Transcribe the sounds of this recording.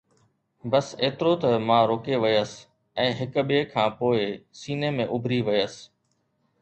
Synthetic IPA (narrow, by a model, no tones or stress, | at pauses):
bɐseːt̪ɪɾot̪ɐmãːɾoːkeʋɪjəs | ɛ̃ːɦɪkɓɪekʰãːpoːɪsiːnemẽːʔʊbʱɾiʋɪjəs